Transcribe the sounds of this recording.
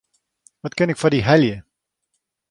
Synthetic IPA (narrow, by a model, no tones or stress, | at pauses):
ʋɔtkənɛkfadiɦɛljə